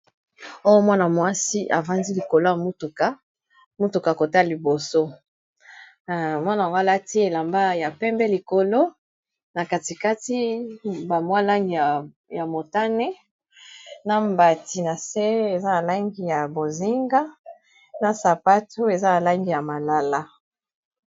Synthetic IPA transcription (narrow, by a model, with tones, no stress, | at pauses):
o˦jo˦mwa˦na˨mwa˦si˦ʔa̰˨va˦ndi˦li˨ko˨lo˦ja˨mu˦tu˨ka˦ | mu˦tu˨ka˨ko˨ta˦˨li˨bo˨so˦ | mwa˦na˨wo˦a˨la˦ti˦e˨la˨mba˦ja˨pɛ˦mbɛ˦li˨ko˨lo˦ | na˨ka˨ti˨ka˦ti˦ba˨mwa˦la˦ŋɡi˨a˨ | ja˨mo˨ta˦nɛ˦ | na˨mba˨ti˨na˨se˦e˨za˦na˨la˦ŋɡi˨ja˨bo˨zi˦ŋɡa˦ | na˨sa˨pa˦tu˦e˨za˦a˨la˦ŋɡi˨ja˨ma˨la˨la˦